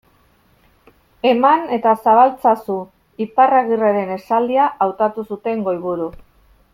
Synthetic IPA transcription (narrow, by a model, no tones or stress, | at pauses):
e̞mane̞t̪asaβalt͡sasu | iparaɣireɾe̞ne̞sald̪iaʔawt̪at̪usut̪e̞ŋɡo̞jβuɾu